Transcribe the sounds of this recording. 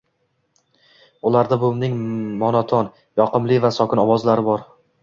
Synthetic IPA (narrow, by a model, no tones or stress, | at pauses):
ʊlaɾd̪abʊmnɪŋmɒnɒt̪ʰɒn | jɒqɨmlɪvasɒkʲɪnɒwɒzlaɾɪbɒɾ